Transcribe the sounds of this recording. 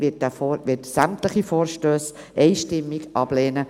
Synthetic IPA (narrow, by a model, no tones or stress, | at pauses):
ɪtɛfoʋɪtsæmtləχifoːɾʃtøːs | ʔɛɪʃtɪmːiɡʔɑb̥leːnə